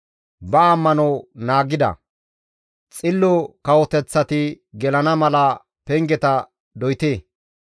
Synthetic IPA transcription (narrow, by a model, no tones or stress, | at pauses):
bɐːmːɐnɔwnaːɡɪd̪ɐ̰ | t͡sʼɪlːɔkɐwɔt̪ɛt͡sːɐt̪ɪ | ɡɛlɐnɐmɐlɐ | pɛŋɡɛt̪ɐ | d̪ɔjt̪eː